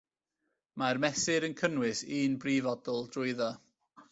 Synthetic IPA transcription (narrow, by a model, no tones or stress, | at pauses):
marmɛsɪɾənkʰənwɪsiːnbrivɔdʊlˠdrʊɨðɔ